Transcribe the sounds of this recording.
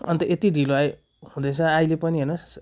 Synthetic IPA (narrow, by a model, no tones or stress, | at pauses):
ʌnt̪ʌʔet̪iriloaj | hũd̪ʌt͡sʰʌajlepʌniɦʌnos